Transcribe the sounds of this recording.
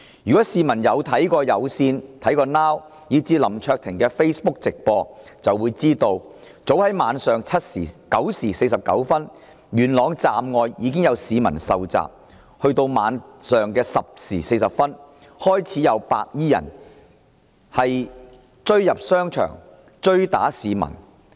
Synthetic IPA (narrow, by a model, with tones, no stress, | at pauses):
jyː˨˩kɔː˨˥siː˨˧mɐ˨˩njɐ˨˧wt̪ʰɐ˨˥jkɔː˧jɐ˨˧wsiː˧nt̪ʰɐ˨˥jkɔː˧naː˥w | jiː˨˥t͡siː˨˥lɐ˨˩mt͡ʃʰœː˧k̚t̪ʰɪ˨˩ŋkɛː˧fe˥jspʊ˥k̚t͡sɪ˨k̚pɔː˧t͡sɐ˨wːuː˨˧jt͡siː˥t̪o˧w | t͡so˨˥whɐ˨˥jmaː˨˧nsœː˨ŋt͡sʰɐ˥t̚siː˨˩kɐ˨˥wsiː˨˩se˧jsɐ˨p̚kɐ̰˨˥wfɐ˥n | jyː˨˩nlɔː˨˧ŋt͡saː˨˧mŋɔː˧jjiː˨˧k̬ɪ˥ŋjɐ˨˧wsiː˨˧mɐ̰˨˩nsɐ˨wt͡sa̰ː˨p̚ | hɵ˧ɥt̪o˧wmaː˨˧nsœː˨˩ŋkɛː˧sɐ˨p̚siː˨˩se˧jsɐ˨p̚fɐ˥n | hɔː˥jt͡sʰiː˨˥jɐ˨˧wpa̰ː˧k̚jiː˥jɐ̰˨˩n | hɐ˨j | t͡ʃɵ˥ɥjɐ˨p̚sœː˥ŋt͡ʃʰœ̰ː˨˩ŋ | t͡ʃɵ˥ɥt̪a̰ː˨˥siː˨˧mɐ̰˨˩n